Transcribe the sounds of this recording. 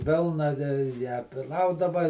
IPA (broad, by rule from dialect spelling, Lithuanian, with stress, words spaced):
ˈʋʲɪlˠnɐ tʲɛ jæː ˈplˠɐʊdɐʋɐ